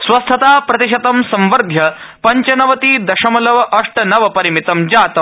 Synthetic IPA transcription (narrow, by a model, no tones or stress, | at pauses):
sʋɐst̪ʰɐt̪aːpɾɐt̪iʃɐt̪ɐmsɐ̃mʋɐɾd̪ʱjɐ | pɐɲt͡ɕɐnɐʋɐt̪iːd̪ɐʃɐmɐlɐʋɐʔɐʂʈɐnɐʋɐpɐɾimit̪ɐmd͡ʑaːt̪ɐm